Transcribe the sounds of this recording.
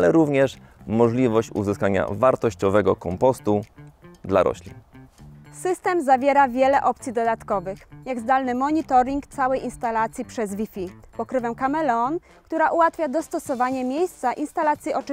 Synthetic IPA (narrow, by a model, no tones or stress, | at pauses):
lɛɾuvɲɛʂ | mɔʐlʲivɔɕt͡ɕṵzɘskaɲa̰vaɾt̪ɔɕt͡ɕɔvɛɡɔkɔmpɔst̪ud̪la̰ɾɔ̰ɕlʲḭn | sɘst̪ɛmzavʲjɛɾavʲjɛlɛʔɔp̚t̪sʲid̪ɔd̪at̪kɔvɘxjaɡzd̪alnɘmɔɲit̪ɔɾiŋkt̪sawɛjʔinst̪alat̪sʲjipʂɛzvʲifʲipɔkɾɘvɛmkamɛlɛn | kt̪uɾaʔuwat̪fʲjad̪ɔst̪ɔsɔvaɲɛmʲjejst̪saʔinst̪alat̪sʲjiʔɔt͡ʂ